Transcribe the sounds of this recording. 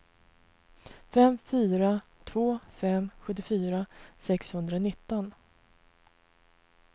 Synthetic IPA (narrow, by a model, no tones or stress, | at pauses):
fɛmfyːɾat̪ʰvoːfɛmːɧɵt̪ːɪfyːɾasɛkshɵnd̪ɾanɪt̪ːɔn